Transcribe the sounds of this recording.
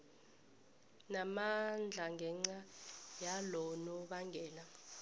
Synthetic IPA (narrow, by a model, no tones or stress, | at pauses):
namand͡ɮʱaŋɡʱɛŋ͡ǀajalɔnɔɓaŋɡʱɛːla